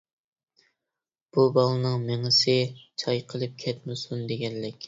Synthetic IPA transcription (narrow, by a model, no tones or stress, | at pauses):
b̥ubɑlˠɨnɨŋmeŋɪsɪt͡ʃʰɑjqʰəlˠɨp̚kʲʰɛt̪̚mɪsund̪eɡʲɛnːɪkʲ